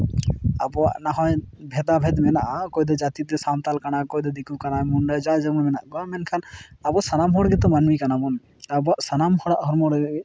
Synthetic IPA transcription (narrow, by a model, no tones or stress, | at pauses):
abɔa̰ʔnaɦɔjbʱɛd̪abʱɛd̪mɛnaʔakɔjd̪ɛd͡ʒat̪it̪ɛsamt̪alkanakɔjd̪ɛd̪ikukanamunɖajd͡ʒad͡ʒamɔnmɛnaʔɡɔmɛnkʰanabɔsanamɦɔɽɡɛt̪ɔmanmikanamɔn | abɔaʔsanamhɔɽaʔɦɔɾmɔɽ